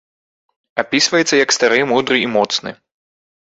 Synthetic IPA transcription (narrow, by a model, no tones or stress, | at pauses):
apʲisvɐjɛt̪sːɐjɐkst̪aɾɨmud̪ɾɨimɔt̪snɨ̰